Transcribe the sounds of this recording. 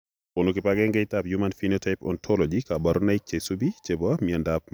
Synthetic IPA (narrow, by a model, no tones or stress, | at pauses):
ʊnukɪpaɡɛŋɡɛɪtapjumanfinotʰaɪpɔ̰ntʰɔlɔd͡ʒikabaɾonaik̚t͡ʃesubit͡ʃebɔmiɛndap̚